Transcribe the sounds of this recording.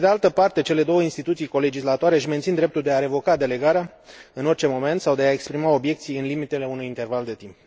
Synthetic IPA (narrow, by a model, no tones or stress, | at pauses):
ed̪ealt̪əpart̪e̞t͡ʃe̞le̞d̪o̞wəinst̪it̪ut̪sijko̞le̞d͡ʒislat̪oaɾe̞ʃiment̪ind̪ɾe̞p̚t̪uld̪e̞aɾe̞vo̞kad̪e̞le̞ɡaɾea | ɨno̞rt͡ʃe̞mo̞me̞nt̪sawd̪e̞aekspɾimao̞bje̞k̚t̪sijɨnlimit̪e̞le̞unujint̪e̞rvald̪e̞t̪imp